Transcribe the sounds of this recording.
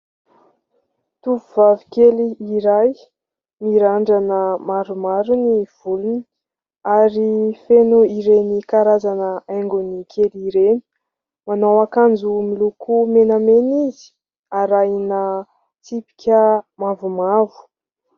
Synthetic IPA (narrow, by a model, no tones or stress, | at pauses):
t̪uvuvavikeliiɾaj | miɾaɳɖ͡ʐanəmaɾumaɾuniv̥ulun | aɾifenuiɾenikaɾazanəaŋɡunikʰeliɾeni̥ | manawakand͡zumilukumenamenizi̥ | aɾajnə | t͡sipi̥kʲəmavumavu̥